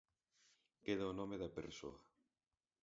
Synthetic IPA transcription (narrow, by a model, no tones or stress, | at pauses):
keðaonɔmeðɐpḛɾso̰ɐ